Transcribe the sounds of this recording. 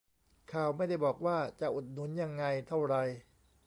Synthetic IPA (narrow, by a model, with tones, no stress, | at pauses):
kʰaː˨˩wma˥˩jda˥˩jbɔː˨˩k̚waː˥˩t͡ɕa˨˩ʔu˨˩t̪̚nu˩˦nja˧ŋːa˧jt̪ʰa˥˩wɾa˧j